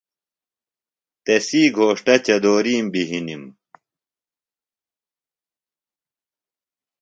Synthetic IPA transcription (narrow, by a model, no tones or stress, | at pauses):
t̪esiːɡʱoːʂʈɐt͡ɕɐd̪oːɾiːmbiɦinim